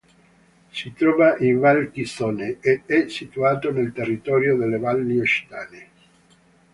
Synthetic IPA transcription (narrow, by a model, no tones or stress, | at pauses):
sit̪ɾɔːvaʔiɱvalkist̪oneeɛsit̪uaːt̪onelt̪erːit̪ɔːɾjod̪elːevalːioʃt̪aːne